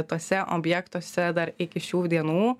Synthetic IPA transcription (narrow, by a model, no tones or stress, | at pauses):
t̪oːsʲɛʔo̰ːbʲjɛkt̪uːsʲɛd̪ɐɾɪkʲɪʃʲuːd̪ʲiɛnuː